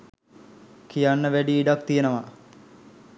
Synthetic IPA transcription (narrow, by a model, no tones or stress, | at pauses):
kʰijanːəʋæɖiːɖak̚t̪ijenəʋa